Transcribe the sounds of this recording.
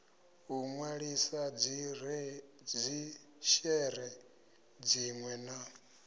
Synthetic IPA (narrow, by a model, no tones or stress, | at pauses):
ɦuŋwaɺisa | d͡zi | ʃɛɾɛ | d͡ziŋwɛna